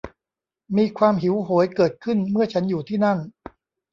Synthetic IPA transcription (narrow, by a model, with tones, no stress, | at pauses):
miː˧kʰwaː˧mɦi˩˦wɦoː˩˦jkɤː˨˩t̪̚kʰɯ˥˩nmɯ˥˩ɐt͡ɕʰa˦˥njuː˨˩t̪ʰiː˥˩na˥˩n